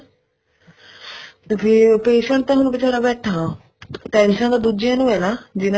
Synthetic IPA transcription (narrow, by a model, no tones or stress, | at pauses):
pʰiːpeːʃəɳʈ̚t̪ãːɦʊñbɪt͡ʃʰaːɽaːbɛːʈʰaː | ʈɛ̃ːnʃə̃nd̪aːd̪ud͡ʒjãːnũːɛːlaːd͡ʒɪn